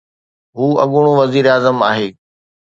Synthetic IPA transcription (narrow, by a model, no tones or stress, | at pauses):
ɦuːɐ̰ɠʊɽ̃õʋɐziːɾaːzəmaːɦeː